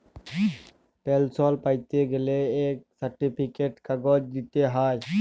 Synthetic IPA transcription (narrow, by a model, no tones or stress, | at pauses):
pɛlsɔlpajt̪eɡeleːk̚saɾʈipʰikeʈkaɡɔd͡ʒd̪it̪eɦaj